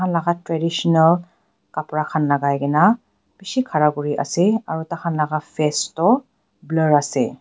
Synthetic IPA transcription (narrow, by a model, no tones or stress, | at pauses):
anlaɡatɹɛdisɔnal | kapɹakʰanlaɡajɡɛna | b̥isikʰaɹaɡuɹiʔa̰sɛaɹutakʰanlaɡafʰɛstɔ | blaɹasɛ̰